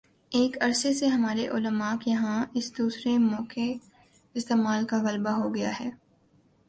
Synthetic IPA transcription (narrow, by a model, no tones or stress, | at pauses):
eːkɐɾseseɦɐmaːɾeʔʊləmaːkjɐɦãɪsd̪uːsɾemɔːke | ɪst̪eːmaːlkaɣɐlbaɦoɡɐja̰ɦɛː